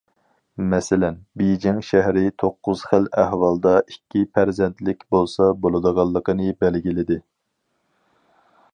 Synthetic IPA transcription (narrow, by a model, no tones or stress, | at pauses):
mɛsɪlɛnbejd͡ʒɪŋʃæɦɾɪt̪ʰoqːʊz̥χəlæhwɑlˠd̪ɑikʲːipʰæɾzɛnt̪lɪkʲbolˠsɑbolˠɨd̪əʁɑlˠːəqʰənɨbɛlɡʲilɪd̪ɪ